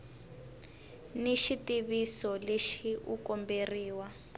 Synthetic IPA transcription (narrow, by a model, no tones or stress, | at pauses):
niʃitiβisɔleʃiʔṵkɔmberiːwa